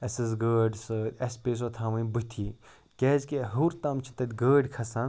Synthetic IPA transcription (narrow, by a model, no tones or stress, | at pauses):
ɐsɨzɡəːɖsɨɐspeːs̬ot̪ʰaːʋɐ̃nbɨt̪ʰiː | kʲeːzkeɦuɾt̪ɐmt͡ʃʰi̥t̪ɐt̪ʲɡəːɖʲkʰɐsan